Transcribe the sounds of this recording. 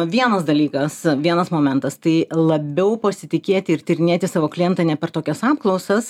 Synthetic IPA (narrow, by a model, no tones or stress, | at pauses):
ʋʲiɛnɐsd̪ɐlʲiːkɐsʋʲiɛnɐsmoːmʲɛnt̪ɐst̪ɐɪlˠɐbʲɛʊpɐsʲɪt̪ʲɪkʲeːt̪ʲɪɪrt̪ʲɪɾʲɪnʲeːt̪ʲɪsɑːʋoːklʲiɛnt̪ɐnʲɛpʲɛrt̪oːkʲɛsɑːpklˠɒʊsɐs